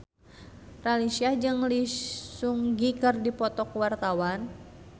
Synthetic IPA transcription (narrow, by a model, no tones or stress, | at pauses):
ralisiad͡ʒɨŋlisuŋɡikɨrdipɔt̪ɔkwart̪awan